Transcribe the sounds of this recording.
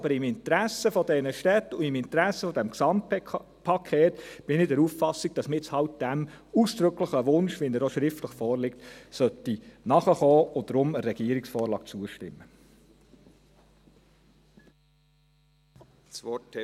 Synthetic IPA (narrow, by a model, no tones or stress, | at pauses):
ɑbəɾɪmɪntɾæsəfɔdɛnəʃtɛt̪ːuɪmɪnt̪ɾæsəfɔdɛmksɑmt̚ | pʰɑkʰeːtb̥ɪnɪdɛɾuffɑsiɡ̥̚d̥ɑsmɪt͡shɑwt̚d̥æmuːsd̥̪ɾʏkləχəʋʊnʃʋinəɾoʃɾɪftləχfɔːɾlɪk̚t̪sœt̪ːinɑχəχɔːod̪ɾʊməɾɛɡ̥iəɾiksfɔːɾlɑ̰ːk̚t͡suəʃtɪmːə | sʋɔt